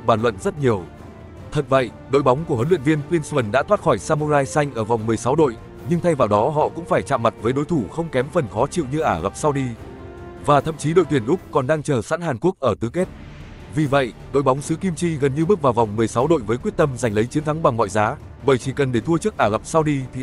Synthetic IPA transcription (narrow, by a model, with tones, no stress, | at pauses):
ɓaː˧˩nlə̰˧˨nzə˦˥t̚ɲi˨˩əw | t̪ʰə˨˩t̚və̰˧˨j | ɗo̰˧˨jɓa˨˦wŋ͡mku˧˩əhə˨˦lwḭ˧˨ənvi˧ənkwi˧nswə˨˩nɗa̰ː˧˥t̪waː˦˥t̚xɔ˧˩jsaː˧mu˧zaː˧jsa˧jŋ̟ʔəː˧˩vwŋ͡mmɨ˨˩əjsa˨˦wɗo̰˧˨j | ɲɨ˧ŋt̪ʰa˧jvaː˨˩wɗɔ˨˦ɦɔ̰˧˨kʊ̰˧˥ŋ͡mfaː˧˩jt͡ɕa̰ː˧˨ma˨˩t̚vəː˨˦jɗo˨˦jt̪ʰu˧˩xə˧wŋ͡mkɛ˨˦mfə˨˩nxɔ˨˦t͡ɕḭ˧˨wɲɨ˧ʔaː˧˩ɣə˨˩p̚saː˧wɗi˧ | vaː˨˩t̪ʰə̰˧˨mt͡ɕi˨˦ɗo̰˧˨jt̪wi˧˩ənʔʊ˦˥k͡p̚kɔ˨˩nɗaː˧ŋt͡ɕəː˨˩sa̰ː˧˥nhaː˨˩nku˦˥ək̚ʔəː˧˩t̪ɨ˨˦ke˦˥t̚ | vi˨˩və̰˧˨jʔɗo̰˧˨jɓa˨˦wŋ͡msɨ̰˧˥ki˧mt͡ɕi˧ɣə˨˩nɲɨ˧ɓɨ˦˥k̚vaː˨˩wva˨˩wŋ͡mmɨ˨˩əjsa˨˦wɗo̰˧˨jvəː˨˦jkwi˦˥ət̚t̪ə˧mza˨˩jŋ̟lə˨˦jt͡ɕi˨˦nt̪ʰa˨˦ŋɓa˨˩ŋmɔ̰˧˨jzaː˨˦ | ɓəː˧˩jt͡ɕi˧˩kə˨˩nɗe˧˩t̪ʰu˧ət͡ɕɨ˦˥ək̚ʔaː˧˩ɣa˨˩p̚sa˧wɗi˧t̪ʰi˨